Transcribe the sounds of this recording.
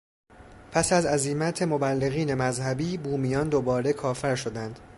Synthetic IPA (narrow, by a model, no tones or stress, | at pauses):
pʰæsæzæzimæt̪ʰe̞mo̞bælːe̞ɣiːne̞mæzhæbiːbuːmijɒːnd̪obɒːɾe̞kʰɒːfæɾʃo̞d̪ænd̪̥